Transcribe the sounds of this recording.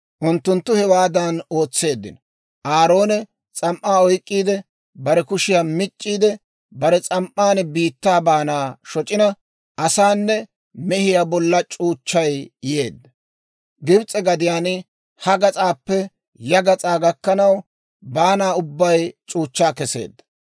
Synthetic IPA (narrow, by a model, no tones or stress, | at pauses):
ʔʊnt̪ːʊnt̪ːʊhɛwaːd̪ɐno̞ːt͡sːe̞ːd̪ːɪ̰nɔ | ʔaːɾo̞ːnɛ | t͡sʼɐmʔːaːɔjkʼːiːd̪ɛ | bɐɾɛkʊʃɪjaːmɪt͡ʃʼːiːd̪ɛ | bɐɾɛt͡sʼɐmʔːaːnbiːt̪ːaːbaːnaːʃɔt͡ʃʼːɪnɐ | ʔɐsaːnːɛ | mɛhɪjaːbɔlːɐt͡ʃʼuːt͡ʃːɐjjeːd̪ːɐ | ɡɪbt͡sʼɛɡɐd̪ɪjaːnɪ | hɐɡɐt͡sʼaːpːɛ | jɐɡɐt͡sʼaːɡɐkːɐnɐw | baːnaːʊbːɐjt͡ʃʼuːt͡ʃːaːkɛse̞̰ːd̪ːɐ̥